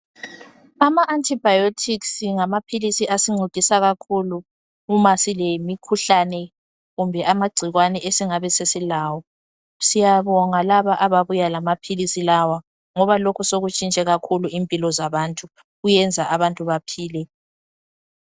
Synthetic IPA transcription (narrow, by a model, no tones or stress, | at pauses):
amaʔantʰʼibajotʰiksiŋamapʰilisiʔasiŋ͡ǀʱutʼisaɣakʰulu | umasilemikʰuɬanɛ | ɣumbʱɛʔamaɡ͡ǀʱiɣwanɛʔesiŋaβɛsesilaːwɔ | sijaβɔŋalaβaʔaβaβujalamapʰilisilawa | ŋɔβalokʰusoɣut͡ʃʼint͡ʃʼɛɣakʰuluimpʼilɔzaβantʼu | ɣujɛnd͡zʱaʔaβantʼuβapʰiːlɛ